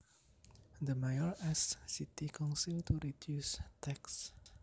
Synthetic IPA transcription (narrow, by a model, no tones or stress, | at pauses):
d̪əmajɔɹɛsːitikʰɔ̃nsiltʰuɹidjustʰɛks